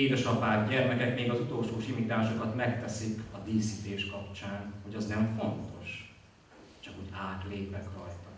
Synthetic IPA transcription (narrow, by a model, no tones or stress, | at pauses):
eːd̪ɛʃɒpaːɡɟɛrmɛkɛkmeːɡɒzut̪o̞lʃoːʃimiːt̪aːʃo̞kɒt̪mɛkt̪ɛsikɒd̪iːsit̪eːʃkɒpt͡ʃaːnho̞ɟɒznɛɱfo̞nt̪o̞ʃ | t͡ʃɒkhoɟaːt̪leːpɛkrɒjt̪ɒ